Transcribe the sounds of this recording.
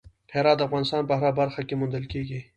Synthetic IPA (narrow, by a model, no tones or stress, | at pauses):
heːɾɑːt̪ːɐfɣɑːnɪst̪ɑːnpɐɦaɾabɐɾxakemʊnd̪əlkeːɡi